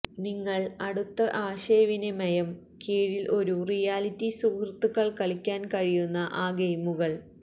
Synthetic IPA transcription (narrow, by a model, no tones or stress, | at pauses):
niŋːɐɭɐɽut̪ːɐʔaːɕeːʋinemɐjɐm | keːɻilʔo̞ɾurijaːlitːisuːkrt̪ːukːɐɭkɐɭikʲːaːnkɐɻijunːɐʔaːɡejmuɣɐɭ